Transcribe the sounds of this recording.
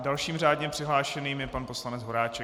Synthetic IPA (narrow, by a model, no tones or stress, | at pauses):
dalʃiːmr̝aːdɲɛpr̥ɪɦlaːʃɛniːmjɛpanposlanɛd͡zɦo̞ɾaːt͡ʃɛ